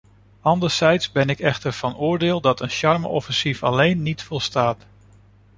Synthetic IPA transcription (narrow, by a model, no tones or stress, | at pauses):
ɑndəɹsɛjtsbɛnɪkɛχtəɹv̥ɑnʊːɹdɪːlˠdɑtənʃɑɹməʔɔfɛnsifɑ̰lejnːitfɔlˠstaːt